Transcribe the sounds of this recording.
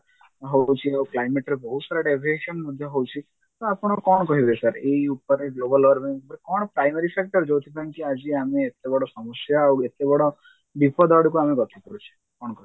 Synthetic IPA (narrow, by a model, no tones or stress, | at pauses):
ɦot͡ʃʰieuklajmeʈɾebɔɦusɔɾaʈebʱieʃənmɔd̪ʱjɔɦowt͡ʃʰi | t̪oapɽ̃okɔɳ̃kɔɦiɾesaɾeiupəɾeɡlobəlɔɾbɛŋɡupəɾkɔɳpɾajməɾifɛk̚ʈəɾd͡ʒowt̪ʰibʰankiad͡ʒiameːt̪ːebɔɽɔsɔməsjawet̪ːebɔɽɔ | bipɔd̪aɽukuameɡɔt̪ʰikəɾut͡ʃʰi̥ | kɔɳkɔɦi